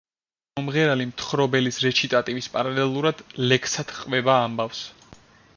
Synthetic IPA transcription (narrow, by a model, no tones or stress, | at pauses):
ɔmʁɛɾalimt̪ʰχɾɔbɛlisɾɛt͡ʃʰit̪ʼat̪ʼivispʼaɾalɛlˠuɾad̪̥lɛkʰsat̪ʰqʼvɛbaːmbafs